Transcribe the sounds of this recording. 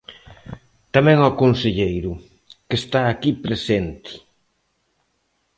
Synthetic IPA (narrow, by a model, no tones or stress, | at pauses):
t̪amɛ̃ŋɔkonseʎejɾʊ | kest̪aːkipɾesent̪ɪ̥